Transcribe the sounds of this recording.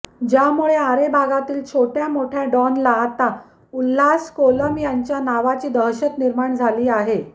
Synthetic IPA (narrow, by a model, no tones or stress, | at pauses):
d͡ʑjamuɭeaɾebʱaɡat̪iːlt͡ɕʰoʈjamoʈʰjaɖɔnlaːt̪a | ulːaskoləmjaɲt͡ɕjanaʋat͡ɕiːd̪əɦɕət̪niɾmaɳd͡zʱaliːaɦe